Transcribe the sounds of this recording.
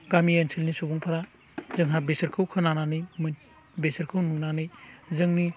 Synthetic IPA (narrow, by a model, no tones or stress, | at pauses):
ɡamiensʰilnisubuŋpʰaɾa | zɯŋɦabesɐɾkʰɯwkʰɯnananɯjmɯn | besəɾkʰɯwnunanɯjzɯŋni